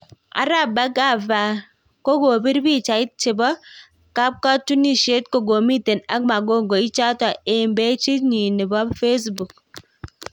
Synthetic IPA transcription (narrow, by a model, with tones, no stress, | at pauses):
a̰˨˦ɾa˦˨ba˦ka˦˨va˨ | ko˦ɡo˨bi˦ɾbi˦˨t͡ʃa˨ɪ˦t̚t͡ʃɪ˨bɔ˦ | ka˦p̚ka˦tu˦ni˦ʃe˦t̚ko˦˨ɡo˨mi˦te˨na˦kma˨ɡo˦˨ŋɡo˨i˦t͡ʃa˦ta˨e˨mbɛ˦t͡ʃi˦ɲi˨nɪ˨bɔ˦bfe˦s̬bu˨k̚